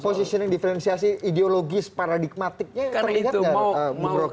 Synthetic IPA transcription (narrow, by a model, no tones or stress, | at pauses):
posisiɔnjaŋdifəɾɛnsias̬iʔideoloɡɪspaɾadik̚mat̪ɪk̚ɲaərliɦatɲaəmɾo